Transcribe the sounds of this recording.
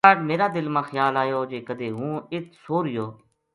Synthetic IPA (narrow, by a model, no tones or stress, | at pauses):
aːʈmeːɾaːd̪ɪlmãːxəjaːlaːjoːd͡ʒeːkəd̪eːɦũːɪt̪ʰsoːɾɪjoː